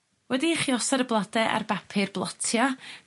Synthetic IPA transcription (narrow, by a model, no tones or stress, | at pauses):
wɛdiχiɔsaɾəblˠadɛʔa̰rbapʰɨrblˠɔtʰja